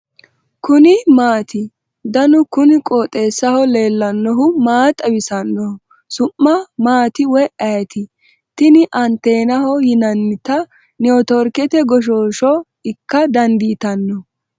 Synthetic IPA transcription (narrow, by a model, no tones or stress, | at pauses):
kʊnɪmaːt̪ɪ | d̪ɐnʊkʊnɪkʼoːt̪ʼe̞ːsːɐhɔle̞ːlːɐnːɔɦʊmaːt̪ʼɐbɪsɐnːɔ | sʊmːɐmaːt̪ɪwɛʔɐjt̪ɪ | t̪ɪnɪʔɐnt̪ːe̞ːnɐhɔhɪnɐnːɪt̪ɐ | nɛɔt̪ɔɾkɛt̪ɛɡɔʃ̬oːʃɔ | ɪkːɐd̪ɐnd̪iːt̪ɐnːɔ